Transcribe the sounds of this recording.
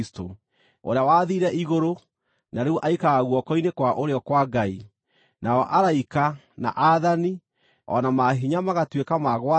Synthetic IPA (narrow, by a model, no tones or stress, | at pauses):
sto | o̰ɾeawaðiːɾɛʔiɣoɾo | naɾeuʔaikaɣaɣwɔkɔinekwaʔoɾeɔkwaɡai | naɔʔaɾaika | na̰ʔaðani | ɔ̰namaɦiɲamaɣatwekamaɣwa